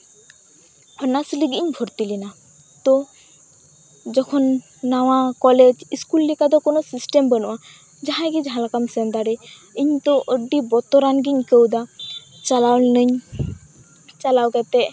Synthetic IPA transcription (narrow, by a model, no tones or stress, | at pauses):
ənasliɡiiɲbʱɔɾt̪ilina | t̪ɔ | d͡ʒɔkʰɔnː | awakɔled͡ʒiskulːikad̪ɔkonɔsisʈembənɔ̰ʔa | d͡ʒaɦãɡid͡ʒɦãlakamsənd̪aɾɛ | iɲt̪ɔʔəɖibɔt̪ɔɾanɡiɲkəwd̪at͡ʃalawlnəɲ | t͡ʃalawkɛt̪ɛʔ